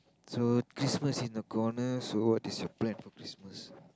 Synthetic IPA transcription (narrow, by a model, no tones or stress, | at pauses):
sokɹisməsĩnd̪əkʰɔnəsowɔtisjɔplɛ̃nfɔkɾisməs